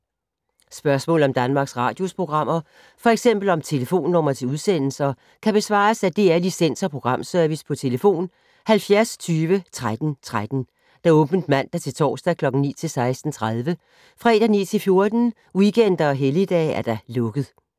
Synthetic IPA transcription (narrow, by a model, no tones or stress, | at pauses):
sb̥ɶɐsmɔ̰̽ːl̩ˠɒ̽md̥ænmɑ̈ːɡ̥sʁɑ̈ːd̥jo̝spʰʁo̝ɡ̥ʁɑ̈m̰ɐ | fɒ̽eɡ̥sem̰b̥l̩ɒ̽mt͡sʰe̝ləfo̝̰ːnːɔm̰ɐt͡sʰe̝uð̞ˠsen̰l̩sɐ | kʰæb̥e̝sʋɑ̰̈ːsæd̥e̝æɐlisen̰sɒ̽pʰʁo̝ɡ̥ʁɑ̈m̰sœɐʋispʰɒ̽t͡sʰe̝ləfo̝̰ːn | hælfjæɐst͡sʰyːʋət͡sʰʁad̥n̩t͡sʰʁad̥n̩ | d̥ɑ̈ɔ̽ːb̥n̩d̥mæn̰d̥ɑt͡sʰe̝lt͡sʰɒ̰ːsd̥ɛkʰlɒ̽ɡ̥n̩nḭːt͡sʰe̝lsɑ̈ɪsd̥n̩t͡sʰʁað̞ˠʋə | fʁɛ̰ːd̥ɐnḭːt͡sʰe̝lfjo̝ɐd̥n̩ | wiɡ̥en̰d̥ɐɒ̽ɦelid̥ɛ̰ːæɐd̥ɑlɔ̽ɡ̥əð̩ˠ